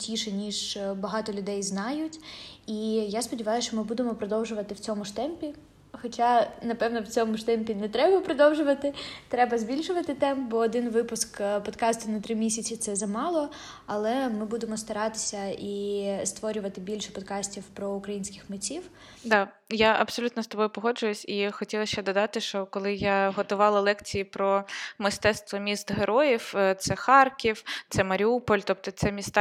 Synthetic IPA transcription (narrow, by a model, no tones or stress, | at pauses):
tʲiʃɛnʲiʒbɐɦɑt̪ɔlʲʊd̪ɛjznɑjʊtʲijaspɔdʲɪʋɑjʊʃt͡ʃɔmɪbud̪emɔpɾɔd̪ɔwʒʊʋɐt̪ɪwt͡sʲɔmʊʃt̪ɛmpʲi | xɔt͡ʃanɐpɛʋnɔwt͡sʲɔmʊʃt̪ɛmʲpʲinɛt̪ɾɛbɐpɾɔd̪ɔwʒʊʋɐt̪ɪt̪ɾɛbɐzʲbʲilʲʃʊʋɐt̪ɪt̪ɛmpbɔːd̪ɪnʋɪpʊskpɔd̪kɑst̪ʊnɐt̪ɾɪmʲisʲɐt͡sʲit̪sɛzɐmɑlˠɔ | ɐlˠɛmɪbud̪emɔst̪ɐɾɑt̪ɪ̥sʲɐist̪ʋɔɾʲʊʋɐt̪ɪbʲilʲʃɛpɔd̪kɑsʲtʲiwpɾɔʊkɾɐjinʲsʲkʲɪxmɪt͡sʲiw | d̪ɑ | jaʔɐbsɔlʲut̪nɔst̪ɔbɔjʊpɔɦɔd͡ʒʊjʊsʲixɔtʲilˠɐʃt͡ʃɛd̪ɔd̪ɑt̪ɪʃt͡ʃɔkɔlˠɪjaɦɔt̪ʊʋɑlˠɐlˠɛkt͡sʲijipɾɔmɪst̪ɛt̪st̪ʋɔmʲist̪ɦeɾʔɔjiwt̪sɛxɑrkʲiwt̪sɛmɐɾʲiupɔlʲt̪ɔp̚t̪ɔt̪sɛmʲist̪ɑ